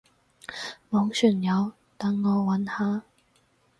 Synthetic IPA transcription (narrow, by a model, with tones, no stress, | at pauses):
mɔː˨˥ŋsy˨˩njɐ˨˥w | t̪ɐ˨˥ŋːɔː˨˧wɐ˨˥nhaː˥